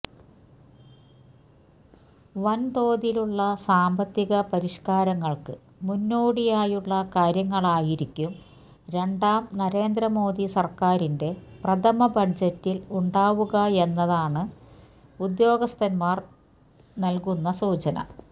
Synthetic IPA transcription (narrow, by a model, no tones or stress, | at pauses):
ʋɐnt̪o̞ːðiluɭːɐsaːmbɐt̪ːiɣɐpɐɾiʂkaːɾɐŋːɐɭkɨ | munːoːɽijaːjuɭːɐkaːɾjɐŋːɐɭaːjiɾikʲːum | ɾe̞ɳɖaːmnɐɾe̞ːnd̪ɾɐmo̞ːd̪isɐrkaːɾinde̞prɐd̪ʰɐmɐbɐd͡ʑɐtːiluɳɖaːʋuɣɐe̞nːɐðaːɳɨ | ud̪jo̞ːɡɐst̪ɐnmaːr | nɐlkunːɐsuːt͡ɕɐnɐ̰